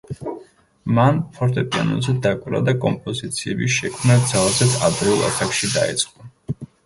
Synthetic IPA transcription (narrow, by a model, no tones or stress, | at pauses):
manpʰɔɾt̪ʼɛpʼia̰nɔ̰nzɛd̪akʼvɾa̰d̪akʼɔmpʼɔzit̪sʰiɛbiʃɛkʰmnad̪zalˠazɛt̪sʰad̪ɾɛulˠa̰t̪ʰakʃid̪aḭt̪sʼqʼɔ